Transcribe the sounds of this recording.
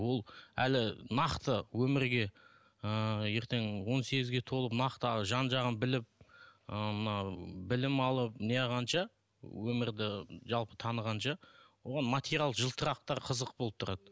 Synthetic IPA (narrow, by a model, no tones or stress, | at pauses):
wo̞lˠælɪnɑqt̪əwɵmɪɾɡʲe̞ | əje̞ɾt̪ʰe̞ŋwo̞nse̞ɡʲɪzɡʲe̞t̪ʰo̞lˠəpnɑqt̪əʒɑnʒɑʁənbɪlɪp̚əmənɑbɪlɪmɑlˠəp̚neɑʁɑnʃɑ | wɵmɪɾd̪ɪʒɑlˠpə̥t̪ʰɑnəʁɑnʃɑwo̞ʁɑnmat̪ʲeɾjalˠəʒəlˠt̪ʰəɾɑq̚t̪ɑɾqʰəzəq̚bolˠəp̚t̪ʰʊɾɑd̪̥ə